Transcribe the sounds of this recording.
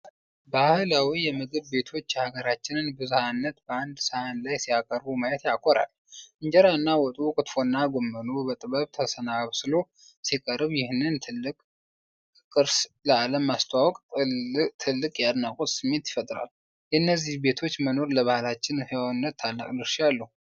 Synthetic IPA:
bahɨlawijɛmɨɡɨβbe̞t̪ʰo̞t͡ʃːhaɡəɾat͡ʃːɪnɨnbɨzuhanːət̪bəand̪səhanlajsijakʼəɾbumajət̪jakʰʼoɾa̰l | ʔɨɲd͡ʒɛɾaɨnːawɔt̪ʼukʼɨt̪fo̞nːaɡo̞mːənubət̪ʼɨβəβt̪ʰəsənaβsɨlo | sikʼəɾɨβjɪhnːɨnt̪ʰɨlːɨkʼ | kʼɨɾsləaləmast̪ʰawɔkʼ | t̪ʰɨlːɨkʼjad̪nakʼut̪ʼsɨmːe̞nt̪jɪfət̪ʼɾa̰l | jɛɨnːəzːihbe̞t̪ʰo̞t͡ʃːməno̞ɾləβahɨlat͡ʃːɪnhewnːət̪ʰːalːə̰kʼlɨɾʃjalːəhu

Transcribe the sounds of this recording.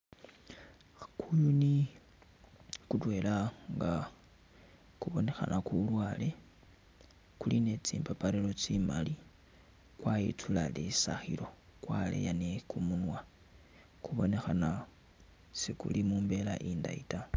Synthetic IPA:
kujuni | kutwe̞laŋɡa | kuβo̞ne̞xa̰nʔakulwaːle̞ | kuline̞t͡siːmpapaɾelo̞t͡simali | kwajḭtʰulalisa̰xḭɾo̞kwalḛjanekumunwa | kuβo̞ne̞xana | sikṵlimuːmbe̞laʔiːnda̰ita

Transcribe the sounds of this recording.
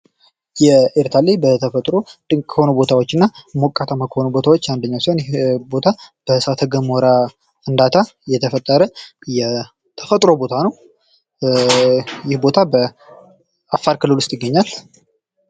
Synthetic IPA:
jɛeɾt̪ʰalebət̪ʰəfət̪ʼɾo̞d̪ɨkʰəho̞nubo̞t̪ʰawot͡ʃːɨnːamokʼːat̪ʰamakʰəhonubo̞t̪ʰawot͡ʃːand̪əɲːawsionjɪbo̞t̪ʰab̥əsat̪ʰəɡəmoɾa | ɨnd̪at̪ʰajɛt̪ʰəfət̪ʼːəɾəjɛ | t̪ʰəfət̪ʼɾo̞bo̞t̪ʰanəw | jɪhbo̞t̪ʰabə | afːaɾkɨlɨlwʊst̪ʼjɪɡːəɲːal

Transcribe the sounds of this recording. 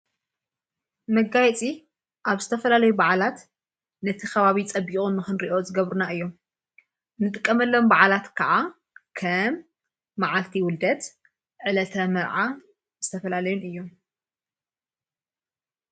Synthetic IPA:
mɐɡajt͡sʼi | ʔaβzɨt̪ʰɐfɐlalɐjubaʕalat̪ | nɐt̪ʰixɐβaβit͡sʼɐbikʼumɨxɨnɾiʔo̞zɨɡɐβɾunaʔɨjːo̞m | nːɨt̪ʼɨkʼːɐmɐlːo̞mbaʕalat̪kʰɐʔa | kʰɐmː | aʕalt̪ʰiwʊld̪ɐt̪ | ʕɨlɐt̪ʰɐmɐɾʕa | zɨt̪ʰɐfɐlalɐjunɨjːo̞m

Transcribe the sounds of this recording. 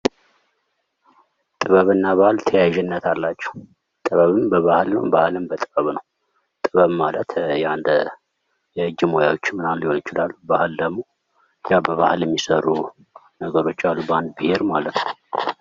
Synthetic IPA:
t̪ʼɨβəβɨnːaβahɨlt̪ʰəjaʒɛnːət̪ʰalːat͡ʃːɛh | t̪ʼɨβəβɨnbəβahɨlnə̰wbahɨlɨmbət̪ʼɨβəβnəw | t̪ʼɨβəβmalət̪jand̪ə | jɛɨd͡ʒɪmoja̰wot͡ʃːɪmɨnalːihonɪt͡ʃɪlalːubahɨld̪əɡmo̞ | jabəβahɨljɛmːisərːu | nəɡəɾo̞t͡ʃːalːuband̪̚bɨheɾmalət̪nəw

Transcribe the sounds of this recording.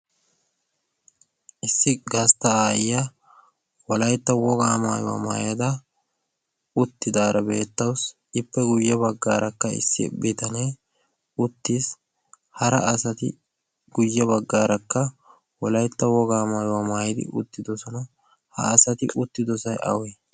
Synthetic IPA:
ʔɪsːɪɡɐst̪ɐaːjːa | wɔlɐjt̪ːɐwɔɡaːmaːjʊwa̰ːma̰ːjɐd̪ɐ | ʊt̪ːɪd̪aːɾɐbeːt̪ːɐws | ɪpːɛɡʊjːɛbɐɡːa̰ːɾʔɐkːɐɪ̰sːɪ̰bɪt̪ɐne | ʊt̪ːiːs | hɐɾɐ̰ɐsɐt̪ɪ̰ | ɡ̥ʊjːɛbɐɡːaːɾɐkːɐ | wɔlɐjt̪ːɐwɔɡaːmaːjʊwaːmaːjɪd̪ɪ̰ʔʊ̰t̪ːɪd̪ɔsɔnɐ | hɐ̰ːsɐt̪ɪʔʊt̪ːɪd̪ɔsɐjʔɐ̰we

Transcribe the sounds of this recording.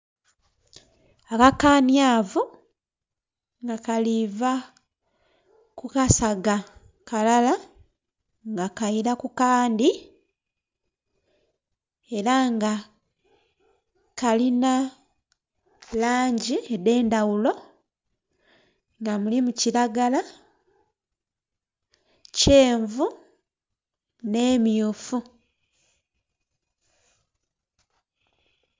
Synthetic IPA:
akakaːnjaːvu | ŋɡakaliva | kukasaɡa | kalala | ŋɡakaiɾakukaːndi | e̞ɾaŋɡa | kalina | laːɲɟiedeːndawulo̞ | ŋɡamulimucilaɡala | ce̞ːɱvu | ne̞ːmjufu

